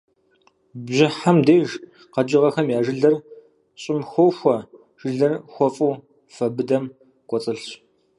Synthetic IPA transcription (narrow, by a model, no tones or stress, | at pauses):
bʑɪħamdeːʒ | qɐd͡ʒɪʁɐxɐmjaːʒɨɮɐr | ɕʼɪmxʷowxʷɐ | ʒ̥ɨɮɐrxʷɔfʼuː | fɐbɨdɐm | kʷʼɔt͡sʼɨɬɕ